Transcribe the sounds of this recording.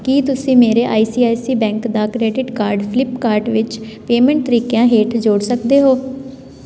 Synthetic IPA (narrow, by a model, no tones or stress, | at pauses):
kiːt̪ʊsĩːmeːɾeːʔa̰ːiːsiːaːjsiːbɛ̃ːŋkd̪aːkɾeːɖɪʈkaːɾɖpʰlɪpkaːɾɖʋɪt͡ʃ | peːmɛ̃ɳʈ̚t̪əɾiːkejãːɦeːʈd͡ʒoːɽsəkd̪eːɦoː